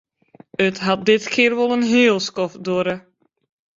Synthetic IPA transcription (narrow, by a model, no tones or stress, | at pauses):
ətɦɑt̚dɪtkʰɪərʋolˠənɦeːlˠskɔfdoəɾə